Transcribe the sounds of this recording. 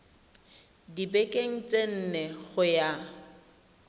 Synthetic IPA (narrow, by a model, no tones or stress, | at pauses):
dibekʼeŋ̩t͡sʼen̩nɛɣʊja